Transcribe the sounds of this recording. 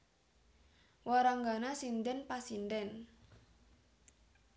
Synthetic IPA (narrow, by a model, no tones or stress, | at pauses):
waɾaŋɡanasind̪ɛnpasind̪ɛn